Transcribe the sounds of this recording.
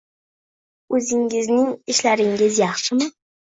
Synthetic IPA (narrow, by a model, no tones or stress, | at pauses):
ɵzɪŋɪznɪŋɪʃlaɾɪŋɡʲɪzjɑχʃɪmɪ